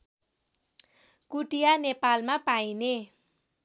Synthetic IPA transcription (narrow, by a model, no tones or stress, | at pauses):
kuʈijanepalmapajine